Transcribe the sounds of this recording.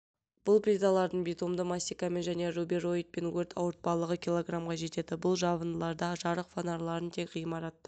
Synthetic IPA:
b̥ʊlˠpɾʲid̪alˠɑɾd̪əɴbijt̪omd̪əmasʲijkame̞nʒæne̞rubiro̞jt̪̚pe̞nwɵɾt̪ʰɑ̰wəɾt̪̚pɑlˠəʁəkʲilˠo̞ɡramʁɑʒe̞t̪e̞d̪ɪbʊlˠʒɑβənd̪əlˠɑɾd̪ɑʒɑɾəqfanɑɾlˠɑɾənt̪ʰe̞kʲʁijəmɑɾɑt̪̚

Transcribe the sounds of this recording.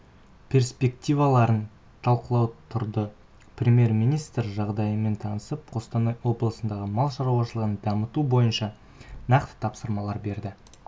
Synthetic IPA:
pʲʰe̞ɾspe̞kt̪ʲijvɑlˠɑɾən | t̪ʰɑlˠqəlˠɑwt̪ʰʊɾd̪ə | prʲemʲje̞rmijnijst̪ɾʒɑʁd̪ɑjəme̞nt̪ʰɑnəsəp̚qʰo̞st̪ɑnɑjwo̞blˠəsənd̪ɑʁəmɑlˠʃɑɾuɑʃəlˠəʁənd̪ɑmət̪ubo̞jənʃɑ | nɑqt̪ə̥t̪ʰɑpsəɾmɑlˠɑɾbe̞ɾd̪ɪ

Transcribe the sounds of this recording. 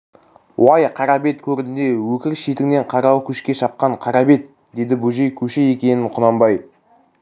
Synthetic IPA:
wɑjqʰɑɾɑbe̞t̪kʲʰɵɾɪd̪ɪnd̪e̞wɵkʲɪɾʃet̪ɪɡɪne̞ɴqʰɑɾɑlˠkʲʰʏʃkʲe̞ʃɑp̚qɑɴqʰɑɾɑbe̞t̪ | d̪e̞d̪ɪbɵʒe̞jkʲʰɵʃeje̞kʲe̞nɪɴqʰʊnɑmbɑj

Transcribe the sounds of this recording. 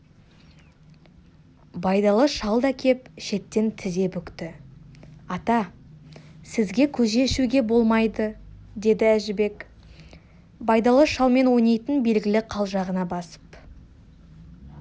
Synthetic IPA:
bɑjd̪ɑlˠəʃɑlˠd̪ɑkʲʰe̞pʃe̞t̪ːe̞nt̪ʰɪze̞pʏkt̪ɪ | ɑt̪ɑ | sɪzɡʲe̞kʲʰɵʒe̞ʃuɡʲe̞bo̞lˠmɑjd̪ə | d̪e̞d̪ɪæʒɪbe̞k | bɑjd̪ɑlˠəʃɑlˠme̞nwo̞jnejt̪ənbe̞lɡʲɪlɪqʰɑlˠʒɑʁənɑbɑsə̥p

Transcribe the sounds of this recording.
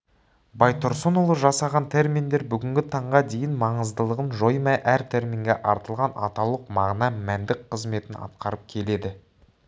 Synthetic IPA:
bɑjt̪ʰʊɾsonolˠəʒɑsɑʁɑnt̪ʰe̞ɾmind̪e̞ɾbʏɡʲɪŋɡʲɪt̪ʰɑɴʁɑd̪e̞jɪnmɑɴəzd̪əlˠəʁənʒo̞jmæjʔæɾt̪ʰe̞ɾmʲiŋɡʲeʔɑɾt̪əlˠʁɑnɑ̰t̪ɑwlˠəqmɑʁnɑmænd̪ɪk̚qʰəzme̞t̪ɪnɑ̰t̪̚qɑɾəp̚kʲʰe̞le̞d̪ɪ

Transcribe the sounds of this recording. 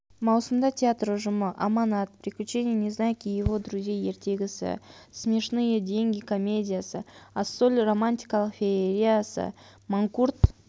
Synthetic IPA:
mɑwsəmd̪ɑtʲeat̪rʊʒʊməʔamɑnɑt̪̚pɾʲɪklʲʉt͡ʃe̞nʲɪjenʲeznɑjkʲijevo̞d̪ɾuzʲjaje̞ɾt̪ʲe̞ɡʲɪsɪ̰smʲe̞ʃnɨjəd̪ʲe̞ŋɡʲɪko̞mʲe̞dʲijasə̰aso̞lʲro̞manʲtʲikalˠəqfʲeɾʲijasə̰ | maŋkurt̪

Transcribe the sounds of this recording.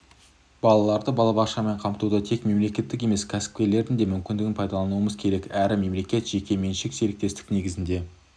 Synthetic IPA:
bɑlˠɑlˠɑɾd̪əbɑlˠɑbɑqʃɑme̞ɴqʰɑmt̪ud̪ət̪ʰe̞kme̞mle̞kʲe̞t̪ːɪk̬ʲe̞me̞skʲʰæsɪ̥p̚kʲe̞ɾle̞ɾd̪ɪnd̪e̞mʏmkʲɪnd̪ɪɡʲɪnpʰɑjd̪ɑlˠɑnuwəməzkʲʰe̞ɾe̞kæɾɪme̞mle̞kʲe̞t̪ʒ̥e̞kʲe̞me̞nʃɪkse̞ɾɪk̚t̪e̞st̪ɪkne̞ɡʲɪzɪnd̪e̞

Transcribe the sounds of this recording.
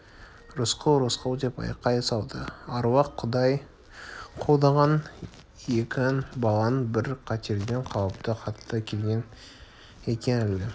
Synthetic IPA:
rʊsqoɾosqolˠd̪e̞pɑ̰jqːɑjɑsɑw̪ˠd̪əɑɾwɑqʰːʊd̪ɑj | qʰo̞lˠd̪ɑʁɑn | ekʲɑnbɑlˠɑnəbɪɾqʰɑt̪eɾɡ̪ʲeɴqʰɑwəp̚t̪əqʰɑt̪d̪ɑkʲʰe̞lɡʲe̞n | e̞kʲe̞nɪld̪ɪ

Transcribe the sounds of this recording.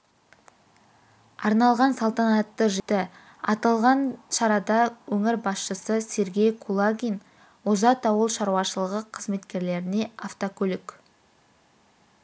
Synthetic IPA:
ɑɾnɑlˠʁɑnsɑlˠt̪ɑnɑt̪ːəʒət̪ɪ | ɑt̪ɑlˠʁɑnʃɑɾɑd̪ɑwɵŋɪɾbɑsʃəsəse̞ɾɡʲe̞jkʰulˠaɡʲin | wozɑt̪ɑwəlˠʃɑɾuwɑʃəlˠəʁəqʰəzme̞t̪kʲe̞ɾle̞ɾɪne̞aft̪okʲʰɵlɪk

